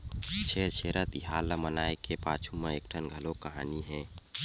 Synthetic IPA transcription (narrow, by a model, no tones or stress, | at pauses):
t͡ʃʰeɾt͡ʃʰeɾət̪iɦalːəmənaekepat͡ʃʰumeek̚ʈʰənɡʱəlokəɦa̰niɦɛ̃